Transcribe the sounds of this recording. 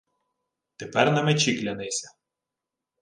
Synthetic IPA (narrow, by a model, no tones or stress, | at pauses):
t̪epɛɾnɐmɛt͡ʃʲiklʲɐnɛjsʲɐ